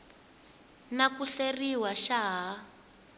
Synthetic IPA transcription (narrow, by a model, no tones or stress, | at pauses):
nakuɬeriwaʃaɦa